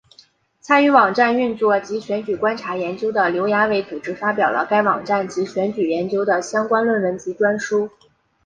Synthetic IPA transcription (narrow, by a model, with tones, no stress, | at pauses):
t͡sʰa˥ny˧˥wɑ˨˩ŋʈ͡ʂa˥˧ny˥˧nt͡swɔ˥˩t͡ɕi˧˥ɕɥɛ˧˥nt͡ɕy˨˩kwa˥nʈ͡ʂʰa˧˥jɛ˧˥nt͡ɕjo˥ʊd̪ə˨ljo˧˥ʊja˥we˧˥˩ɪt͡su˨˩ʈ͡ʂɻ̩˥fa˥pjɑ˨˩ʊlə̰˦ka˥ɪwɑ̰˨˩ŋʈ͡ʂa˥˩nt͡ɕi˧˥ɕɥɛ˧˥nt͡ɕy˨˩jɛ˧˥nt͡ɕjo˥ʊd̪ə˨ɕjɑ˥ŋkwa˥nlwə˥˩nwə˧˥nt͡ɕi˧˥ʈ͡ʂwa˥nʂu˥